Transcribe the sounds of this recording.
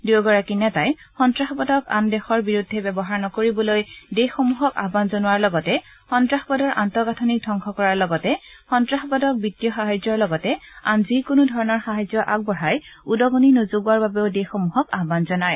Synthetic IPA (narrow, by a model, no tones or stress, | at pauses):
duɡɔɹakinɛtaj | xɔntɹaxɔbɔdɔka̰ndɛxɔɹbiɹudʱːɛbɛbɔɦaɹnɔkoɹibɔlojdexomuɦɔka̰ɦbanzonʊwaɹlɔɡɔtɛ | xɔntɹaxbɔdɔɹʔantɔɡatʰɔnik̚dʱɔŋkʰɔkɔɹaɹlɔɡɔtɛxɔntɹaxɔbɔdɔk̚bitːijɔxaɦajzɔɹlɔɡɔtɛanzikʊnʊdʱɔɹɔnɔɹxaɦajzɔʔaɡ̚bɔɹajudɔɡoninozuɡwaɹbabeʊdexomuɦɔka̰ɦbanzɔnaj